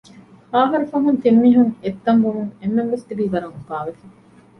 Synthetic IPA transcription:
haːɦɐɾɐfɐɦunt̪imːiːɦuŋet̪ːɐŋbumuŋemːenʋest̪ibiːbɐɾɐŋubaːʋefɐ̥

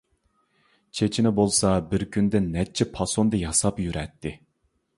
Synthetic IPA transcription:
t͡ʃʰet͡ʃʰinɪbolˠsɑbɪɾkʲynd̪ɪnːɛt͡ʃʰːɛpʰɑsond̪ɨjɑsɑpjyɾʔɛt̪ʰːɪ

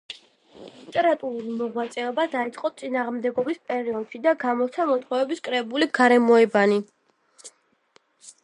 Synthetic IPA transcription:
lit̪ʼɛɾat̪ʼuɾuɾimɔʁwat̪sʼɛɔbad̪ait̪sʼqʼɔt̪sʼinaːʁmd̪ɛɡɔbispʼɛɾiɔd̪̥ʃid̪aɡamɔt̪sʰamɔt̪ʰχɔɛbiskʼɾɛbuliɡaɾɛmɔɛbani

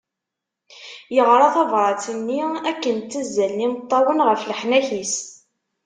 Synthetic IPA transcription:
jəʁɾˤɑθɑvɾˤɑt͡sənːiækːənt̪ːəzːælnimət̪ˤːɑwənʁəfləħnæçis

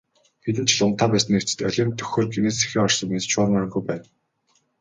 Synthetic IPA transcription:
xet̪̬ɘ̆nt͡ɕʰɪ̆ɮʊn̥t̪ʰaːpæːsə̆new̥t͡sɘ̥̆t̪œɮʲiːnt̪ʰɵ̥xoːrɡeneːse̥xeːɔrsɞ̆ŋmest͡ɕʰʊːɾə̆ŋœɾ̆ŋɡujpæːn

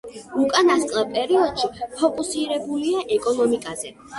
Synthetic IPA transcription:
ukʼanasqʼlˠapʼɛɾiɔd̪̥ʃipʰɔkʼusiɾɛbuliaʔɛkʼɔnɔmikʼazɛ

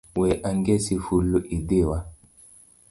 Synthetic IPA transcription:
wɛʔaŋɡɛsifuluʔidewa

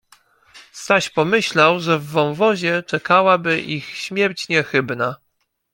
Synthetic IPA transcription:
st̪aɕpɔmɘɕlawʐɛvːɔ̃w̃vɔʑɛt͡ʂɛkawabɘʔixɕmʲjɛɾt͡ɕɲɛxɘbna

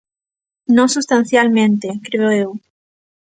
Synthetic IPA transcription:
nõsust̪ãn̟θjalmẽnt̪ekɾeoew

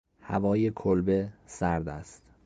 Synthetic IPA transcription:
hæ̰vɒːjekʰolbesæɾd̪æst̪

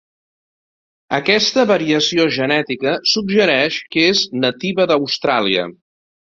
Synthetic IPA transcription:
əkɛst̪əβəɾiəsioʒənɛt̪ikəsubʒəɾɛʃkeznət̪iβəðəwst̪ɾaliə̰

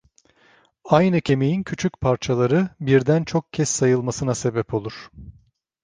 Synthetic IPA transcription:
ajnɯcʰe̞me̞jincʰyt͡ʃʰycpʰaɾt͡ʃʰalˠaɾɯbiɾd̪ænt͡ʃʰo̞k̚cʰɛsːajɯlˠmasɯnase̞bɛpʰo̞lˠuɾ̥

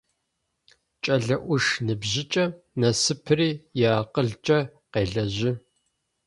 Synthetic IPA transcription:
t͡ʃʼɐɮɐʔʷʊʂnɨbʑɪt͡ʃʼɐ | nɐsɨpʰɨriːjaːqəɮt͡ʃʼɐqeːɮɐʑɪ

